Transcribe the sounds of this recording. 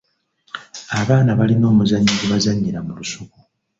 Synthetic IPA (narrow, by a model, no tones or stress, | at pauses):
aβaːnaβalino̞ːmuzaɲːiɡuβazaɲːiɾamulusuku